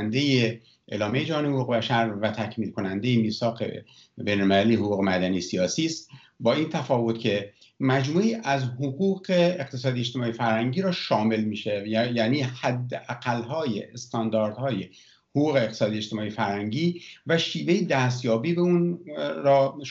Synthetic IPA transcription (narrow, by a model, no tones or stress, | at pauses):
nd̪eje | ʔelɒːmejed͡ʒæhɒːnehoɣuːɣe̞bæʃæɾvæt̪ʰæcʰmiːlkʰonænd̪e̞jemiːsɒːqḛ | bejnolmelælijehoɣuːɣe̞mæd̪ænijesijɒːsiːst̪ | bɒːiːnt̪ʰæfɒːvo̞t̪cʲʰe̞ | mæd͡ʒmuːiːʔæzhoɣuːɣeeqt̪ʰe̞sɒːd̪ieʃt̪e̞mɒːijefæɾhæŋɟiːɾɒːʃɒːme̞lmiːʃejæːniːhæd̪ːeʔæɡælːɦɒːjḛest̪ɒnd̪ɒːɾd̪hɒːje | hoɣuːɣe̞ːqt̪ʰe̥sɒːd̪ijeʃt̪e̞mɒːijfæɾhæŋɟiːvæʃiːve̞jed̪æst̪jɒːbiːbeunɾɒː